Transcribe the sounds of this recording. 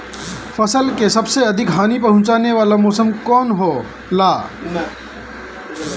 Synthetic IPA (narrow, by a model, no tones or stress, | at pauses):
fʰəsəlkesəbseɐd̪ʱɪkɦaːnipɐɦʊ̃t͡ʃaːneʋaːlamɔːsəmkɔːnɦoː | laː